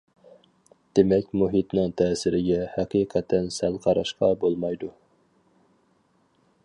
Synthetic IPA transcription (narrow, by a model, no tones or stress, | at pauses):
d̪̥emɛkʲmuɦit̪nɨŋt̪ʰɛːsɪɾɪɡʲɛhæqʰijqʰæt̪ʰɛnsælˠqʰɑɾɑ̰ʃqɑbolˠmɑjd̪u